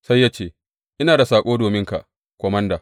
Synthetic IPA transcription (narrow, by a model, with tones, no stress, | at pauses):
sa˦jːaː˦t͡ʃeː˦˨ | ʔɪ˦naː˨da˨saː˨kʷʼoː˦doː˨mɪ˦ŋka̰˨ʔ | kʷɔ˨mɐ˦ndaː˨